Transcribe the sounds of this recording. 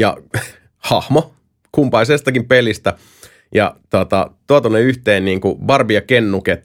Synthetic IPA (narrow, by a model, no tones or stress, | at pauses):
jɑ̰ | hɑhmo | kumpɑlisest̪ɑkimpelist̪æ | jɑ̰t̪uot̪ɑ̰t̪uɑt̪onːeyht̪eːnniːŋkuʋɑrbijɑkenːuket̪